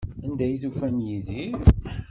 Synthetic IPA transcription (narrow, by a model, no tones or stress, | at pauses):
ænd̪æjiθufænjiði